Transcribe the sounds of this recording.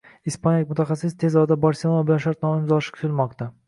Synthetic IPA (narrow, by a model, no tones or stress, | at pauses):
ispanɪkʲmʊt̪ʰaχɑsɪst̪ʰezɒd̪abaɾselˠonabɪlanʃaɾt̪̚nɒmɪmzɒʃɪ̥kʰʲʊ̥t̪ʰɪlmɒqt̪a